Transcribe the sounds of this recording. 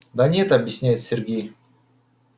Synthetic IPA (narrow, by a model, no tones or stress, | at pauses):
d̪ɐnʲet̪ɐbjɪsʲnʲæjɪt̪sʲɪrɡʲej